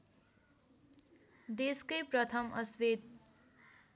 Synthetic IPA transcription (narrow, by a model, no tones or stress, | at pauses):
d̪eskʌjprʌt̪ʰʌmʌswet̪̚